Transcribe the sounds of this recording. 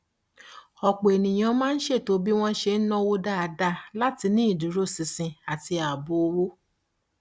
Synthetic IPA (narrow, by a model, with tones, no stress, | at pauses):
ɔ˨k͡po˨e˨nĩ˨j̃ã˧mãː˦n̩˦ʃe˦˨to˨˦bi˦w̃ɔ̃˦ʃe˧n̩˦nɔ̃˦wo˧da˦a˨da˧˨la˦ti˧nĩ˦i˦˨dũ˨˦ɾo˦sĩ˨sĩ˧a˨ti˧a˨bo˧wo˦